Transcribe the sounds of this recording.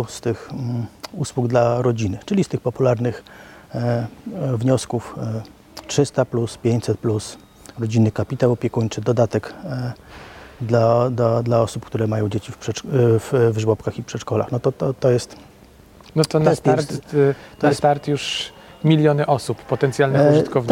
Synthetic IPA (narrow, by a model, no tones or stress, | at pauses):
st̪ɘx | uswuɡd̪laɾɔd͡ʑinɘt͡ʂɘlʲist̪ɘxpɔpulaɾnɘx | vɲɔskuf | tʂɘst̪apluspʲjeɲt͡ɕʲsɛt̪̚plus | ɾɔd͡ʑinːɘkapʲit̪awɔpʲɛkuɲt͡ʂɘd̪ɔd̪at̪ɛk | d̪lad̪lad̪laɔsupkt̪uɾɛmajɔ̃w̃d͡ʑet͡ɕifpʂɛvvʐwɔpkaxipʂɛt͡ʂkɔla̰xnɔt̪ɔt̪ɔt̪ɔjɛst̪ | nɔt̪ɔnajɛstɾt̪t̪ɔjɛst̪aɾt̪juʂ | mʲilʲjɔnɘʔɔsuppːɔt̪ɛnt̪sjalnɛʐɨt̪kɔv